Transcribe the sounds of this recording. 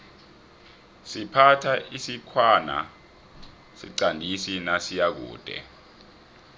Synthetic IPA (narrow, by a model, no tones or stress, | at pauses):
sipʰatʰaisikʰwana̰ | siǀandʱisinasijak̬ṵːd̥ʱɛ̰